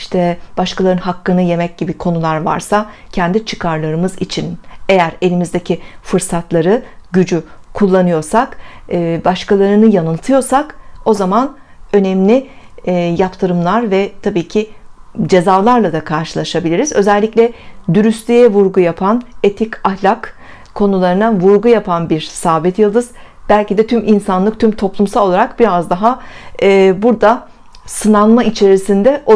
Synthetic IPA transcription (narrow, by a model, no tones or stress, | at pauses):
iʃt̪ʰɛb̥aʃkʰalˠaɾɯnɦakːɯnɯje̞mɛc̚ɟibikʰo̞nulˠaɾva̰ɾsacʰɛnd̪it͡ʃʰɯ̥kʰaɾlˠaɾɯmɯzḭt͡ʃʰine̞jæɾe̞lʲimizd̪ecʰifɯɾsat̪lˠaɾɯɟyd͡ʒykʰulˠːanɯjo̞ɾsakːbaʃkalˠaɾɯnɯjanɯlˠt̪ʰɯjo̞ɾsako̞zaman | ø̞nɛmlʲɪ | japt̪ʰɯɾɯmlˠaɾvɛt̪ʰabiːcʰid͡ʒe̞zalˠaɾlˠad̪akʰaɾʃɯlˠaʃabilʲiɾizø̞zɛlʲːiclʲɛd̪yɾystlʲyjɛvuɾɡujapʰanet̪ʰicahlʲak | kʰːo̞nulˠaɾɯnavuɾɡujapʰanbiɾsaːbɛt̪jɯlˠd̪ɯz̥ | b̥ælʲcid̪ɛt̪ʰyminsanlˠɯk̚t̪ʰymt̪ʰo̞plˠumsalˠo̞lˠaɾakbiɾazd̪aɦaː | buɾd̪a | sɯnanˠmait͡ʃʰe̞ɾisind̪ɛʔo